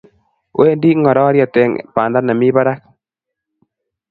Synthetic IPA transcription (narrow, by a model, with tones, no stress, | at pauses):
wʔe˦ndi˦ŋɔ˨ɾɔ˦ɾja˨t̪e˨ŋ̰pa˨nda˦na˨mi˦ba˦ɾa˦k̚